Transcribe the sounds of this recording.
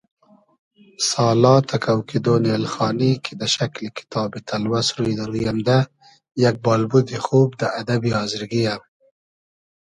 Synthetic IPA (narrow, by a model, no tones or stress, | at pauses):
sɑːlɑt̪ʰakawkid̪onelxɑːnikʰed̪əʃaklekɪ̥t̪ʰɑːbet̪ʰalwasɾujd̪aɾujamd̪a | jak̚bɑːlbud̪ixob̚d̪əad̪abihɑːzɪɾɡijam